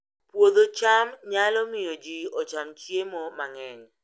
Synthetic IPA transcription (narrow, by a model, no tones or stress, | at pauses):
pwod̪ot͡ʃamɲalɔmɪjɔd͡ʒiɔt͡ʃamt͡ʃjemɔmaŋɛɲ